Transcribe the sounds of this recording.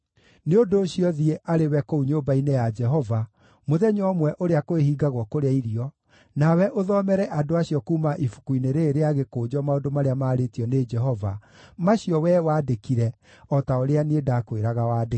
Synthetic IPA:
neondoːɕiɔðieʔaɾewɛkouɲombainejad͡ʒɛɦɔva | moðɛɲɔmwɛʔoɾeakoehiːɡaɣwɔkoɾeaiɾiɔ | nawɛʔoðɔmɛɾɛʔadoaɕiɔkuːmaʔifu̥kuineɾeːɾeaɣekoːd͡ʒɔmaondomaɾeamaːɾetiɔned͡ʒɛɦɔva | maɕiɔwɛwaːdekiɾɛ | ɔtaoɾeanedakoeɾaɣawaːd

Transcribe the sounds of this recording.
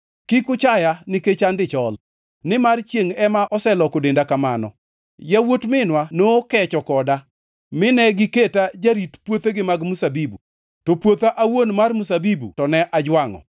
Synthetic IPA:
kɪkʊt͡ʃajanɪket͡ʃandɪt͡ʃɔl | nɪmart͡ʃjeŋɛmaʔɔsɛlɔkodendakamanɔ̰ | jawotmɪnwanokɛt͡ʃɔkɔda | mɪnɛɡɪketad͡ʒaɾitpwot̪eɡɪmaɡmusabibu | topwot̪aʔawonmarmusabibṵtɔnɛʔad͡ʒwaŋɔ̰

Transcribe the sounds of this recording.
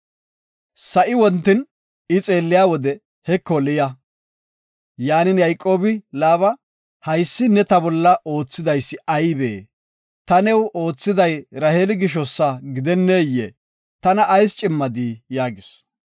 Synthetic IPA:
sɐʔɪwɔnt̪ːɪn | ɪt͡sʼe̞ːlːɪjaːwɔd̪ɛ | hɛkːɔlɪjɐ | jaːnɪnjɐjkʼːo̞ːbɪlaːβɐ | hɐjsːɪnɛt̪ɐbɔlːɐʔo̞ːt͡sːɪd̪ɐjsːɪʔɐjbḛː | t̪ɐnɛwo̞ːt͡sːɪd̪ɐjɾɐheːlɪɡɪʃ̬ɔsːaɡɪd̪ɛnːeːjːɛ̰ | t̪ɐnɐːjst͡ʃʼɪmːɐd̪iːjaːɡɪs

